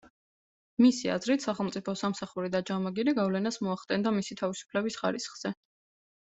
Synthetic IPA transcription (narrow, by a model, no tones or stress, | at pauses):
misia̰zɾit̪ʰsaχɛlˠmt̪sʼipʰɔsamsaχuɾid̪ad͡ʒamaɡiɾiɡavlɛnasmɔaχt̪ʼɛnd̪amisit̪ʰavisu̥pʰlɛbisχaɾisχz̥ɛ